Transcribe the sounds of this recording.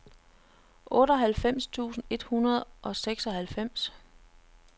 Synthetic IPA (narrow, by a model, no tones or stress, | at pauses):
ʔɔ̽ːɾɒɦælfem̰st͡sʰṵːsn̩e̝d̥hunɐð̞ˠʔɒ̽seɡ̥sɒhælfem̰s